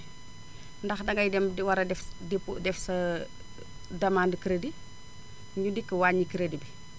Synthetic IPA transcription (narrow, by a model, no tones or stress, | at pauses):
ndɐxdɐŋɡɐjdɛmwɐɾɐdɛfdipːudɛfsɐ | dɐmaːndkiɾɐdi | ɲudikːəwaːɲikiɾedibi